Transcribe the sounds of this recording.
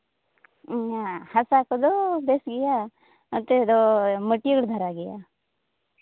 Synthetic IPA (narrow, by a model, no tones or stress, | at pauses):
ahɐsakod̪obesɡija | ɐt̪ed̪oməʈːijɡəɽd̪ʱɐɾaɡija̰